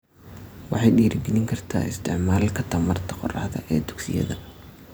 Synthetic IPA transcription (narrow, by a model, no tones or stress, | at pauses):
wɑħɑjɖiːɾʔɪɡɛlɪŋkʰɐrt̪ʰa̰ːɪst̪ʰɪʕmaːlkʰɐt̪ʰɐmɐrt̪ʰɐ̥qɔrɑ̰ħðɐ̰ʔɛːd̪ʊɡsɪ̰jɐ̰ðɐ